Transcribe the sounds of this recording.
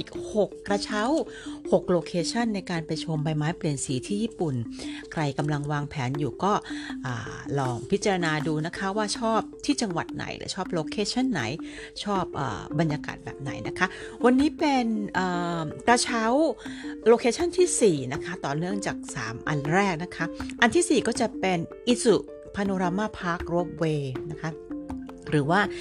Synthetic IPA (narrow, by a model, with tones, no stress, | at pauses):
ʔiː˨˩k̚ho˨˩kːɾa˧t͡ɕʰa˦˥who˨˩k̚loː˧kʰeː˧t͡ɕʰa˥˩nːa˧jkaː˧npa˧jt͡ɕʰo˧mba˧jmaː˦˥jpli˨˩ənsiː˩˦t̪ʰiː˥˩jiː˥˩pu˨˩nkʰɾa˧jka˧mla˧ŋwaː˧ŋpʰɛː˩˦njuː˨˩kɔː˥˩ʔaː˨˩lɔː˧ŋpʰi˦˥t̪̚t͡ɕa˧ɾa˧naː˧duː˧na˦˥kʰa˦˥waː˥˩t͡ɕʰɔː˥˩p̚t̪ʰiː˥˩t͡ɕa˧ŋwa̰˨˩t̪̚na̰˨˩˦jlɯ̰˩˦t͡ɕʰɔː˥˩p̚loː˧kʰeː˧t͡ɕʰa˥˩nːa̰˩˦j | t͡ɕʰɔː˥˩p̚ʔə̰ː˨˩ba˧njaː˧ka̰ː˨˩t̪̚bɛ̰ː˨˩p̚na̰˩˦jna˦˥kʰa˦˥wa˧nːiː˦˥pe˧nʔəː˨˩ka˧t͡ɕʰa˦˥wloː˧kʰeː˧˥t͡ɕʰa˥˩nt̪ʰiː˥˩siː˨˩na˦˥kʰa˦˥t̪ɔː˨˩nɯ˥˩əŋt͡ɕaː˨˩k̚sa̰ː˩˦mʔa̰˧nɾɛː˥˩k̚na˦˥kʰa˦˥ʔa˧nt̪ʰiː˥˩siː˨˩kɔː˥˩t͡ɕa˨˩pe˧nʔi˦˥su˨˩ | pʰa˧noː˧ɾaː˧maː˥˩pʰa˦˥k̚ɾu˦˥p̚weː˧na˦˥kʰa˦˥ | ɾɯː˩˦waː˥˩